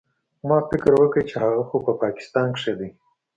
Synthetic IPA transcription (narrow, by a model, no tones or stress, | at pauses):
mɑfɪkɾwəkət͡ʃehaɣaxopəpɑkɪ̥st̪ɑːnkʂed̪i